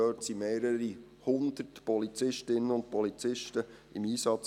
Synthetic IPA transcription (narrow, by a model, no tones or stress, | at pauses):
øːtsimeːɾəɾi | hʊnd̪̥ərtpɔlit͡sɪʃtɪnːəʊnd̚pɔlit͡sɪʃtəɪmiːsɑt͡s